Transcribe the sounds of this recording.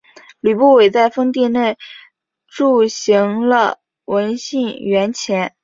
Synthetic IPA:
ly˨˩pu˥˩we˨˩ɪt͡sa˥˩ɪfɤ˥ŋt̪̬i˥˧ne˥˩ɪ | ʈ͡ʂu˥˩ɕi˧˥ŋlə̰˧ | wə˧˥nɕi˥˩ŋɥɛ˧˥nt͡ɕʰjɛ˧˥n

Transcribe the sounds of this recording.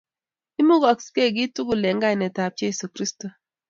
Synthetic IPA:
i˦mu˦ɡɔ˨kske˦˨ɡi˦tu˦ɡu˨lɛ˨ŋɡa˦i˨nɛ˨ta˨p̚je˦su˨kɾi˦sto˨

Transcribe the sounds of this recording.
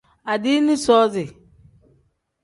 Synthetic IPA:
a˨di˦ni˦sɔː˦zɪ˨

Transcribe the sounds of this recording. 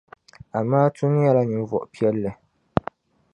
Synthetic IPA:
a˨mːaː˦tʰu˦n˦ja˦la˦ɲi˨m˦vɔ̰˨ʔpi˦ɛ˦lːɨ˨

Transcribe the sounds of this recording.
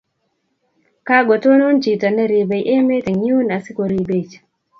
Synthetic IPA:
ka˦ɡɔ˨to˦nɔ˦nt͡ʃi˨ta˨nɛ˦ɾi˨bɛ˨jʔɛ˦mɛ˦tɛ˨ŋu˦na˨si˦kɔ˨ɾi˨be˨t͡ʃ

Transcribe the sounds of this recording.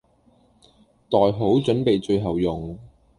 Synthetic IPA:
t̪ɔː˨jɦo˨˥wt͡ʃɵ˨˥npe˨jt͡ʃɵ˧ɥɦɐ˨˩wjʊ˨ŋ

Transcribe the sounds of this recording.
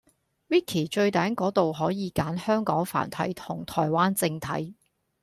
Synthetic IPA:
wiː˥kʰiː˨˩t͡ʃɵ˧ɥt̪aː˨˥nkɔː˨˥t̪o˨wɦɔː˨˥jiː˨˧kaː˨˥nhœː˥ŋkɔː˨˥ŋfa̰ː˨˩nt̪ʰɐ̰˨˥jt̪ʰʊ˨˩ŋt̪ʰɔː˨˩jwaː˥nt͡sɪ˧ŋt̪ʰɐ̰˨˥j

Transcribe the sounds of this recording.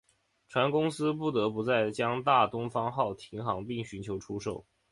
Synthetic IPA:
ʈ͡ʂʰwa˧˥nkʊ˥ŋsɹ̩˥p̬u˥˩t̪ɤ˧˥pu˧˥t͡sa˥˩ɪt͡ɕjɑ˥ŋt̪a˥˩t̪ʊ˥ŋfɑ˥ŋxɑ˥˩ʊt̪ʰi˧˥ŋxɑ˧˥ŋpi˥˩ŋɕy˧˥nt͡ɕʰjo˧˥ʊʈ͡ʂʰu˥ʂo˥˩ʊ

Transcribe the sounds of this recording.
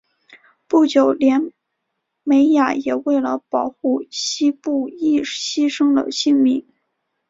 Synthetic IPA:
pu˥˩t͡ɕjo˨˩ʊljɛ˧˥n | me˧˥ɪja˨˩jɛ˨˩we˥˩ɪlə˩pɑ˨˩ʊxu˥˩ɕi˥pu˥˩i˥˩ɕi˥ʂɤ˥ŋd̪ə̰˨ɕi˥˩ŋmi˧˥˦ŋ

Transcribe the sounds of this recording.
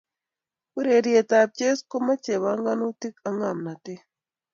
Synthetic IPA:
u˦ɾe˨ɾje˨ta˨p̚t͡ʃe˦sko˦ma˦t͡ʃe˨βa˦ŋɡa˦no˦ti˦ka˨ŋa˨mna˨te˦

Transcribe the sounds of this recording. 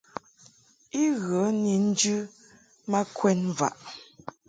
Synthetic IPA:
i˦ɣɔ˨˦ni˨n̩˦d͡ʒʉ˦ | ma˦kwɛ˦nva̰˨ʔ

